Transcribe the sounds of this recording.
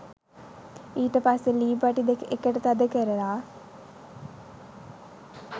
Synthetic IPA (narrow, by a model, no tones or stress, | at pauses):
iːʈəpasːeliːbaʈid̪ekekəʈət̪ad̪əkəɾəlaː